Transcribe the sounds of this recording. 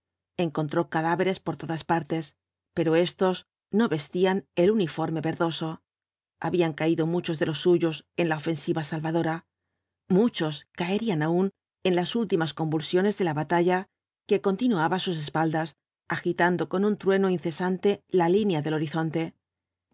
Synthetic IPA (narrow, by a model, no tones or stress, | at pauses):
e̞ŋko̞nt̪ɾo̞kaðaβe̞ɾe̞spo̞ɾt̪o̞ðaspaɾt̪e̞s | pe̞ɾo̞e̞st̪o̞z | no̞βe̞st̪iane̞lunifo̞ɾme̞βe̞ɾðo̞so̞ | a̰βiaŋkaiðo̞mut͡ʃo̞zðe̞lo̞sːuʝo̞se̞nlaofe̞nsiβasalβaðo̞ɾa | mut͡ʃo̞skaeɾianaun | e̞nlasult̪imasko̞mbulsjo̞ne̞zðe̞laβat̪aʝa | ke̞ko̞nt̪inuaβasus̬e̞spald̪as | axit̪and̪o̞ko̞nunt̪ɾwe̞no̞inθe̞sant̪e̞lalinjaðe̞lo̞ɾiθo̞nt̪e̞